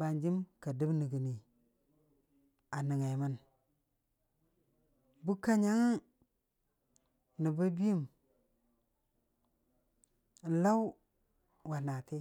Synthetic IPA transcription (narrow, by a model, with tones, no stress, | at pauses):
ba˨nd͡ʒi˦mka˨di˦bni˨ɡi˨ni˨ | a˨ni˨ŋa˨mə˦n | bu˦ka˦ɲa˦ŋ˦ | ni˨ba˦bi˦i˦˨m˨ | la˦w | wa˨na˨ti˦